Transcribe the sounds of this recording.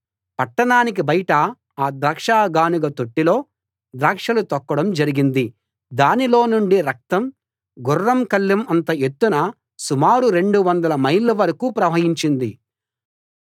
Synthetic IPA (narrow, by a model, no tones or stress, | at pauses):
pɐʈːɐɳaːnik̬ibɐjʈɐ | aːd̪ɾaːkʂaːɡaːnuɡɐt̪oʈːilo̞ː | d̪ɾaːkʂɐlut̪ɐkːɐɽɐmd͡ʒɐɾiɡind̪i | d̪aːnilo̞ːnuɳɖiɾɐk̚t̪ɐm | ɡurːɐmkɐlːɐmɐnt̪ɐe̞t̪ːunɐ | sumaːɾuɾe̞ɳɖuʋɐnd̪ɐlɐmɐjlːɐʋɐɾɐkupɾɐʋɐɦiɲt͡ʃind̪i